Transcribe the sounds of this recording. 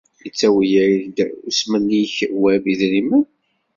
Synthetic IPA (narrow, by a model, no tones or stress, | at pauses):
jət͡sːæwijæɾd̪usmənːiçwæbiðɾimən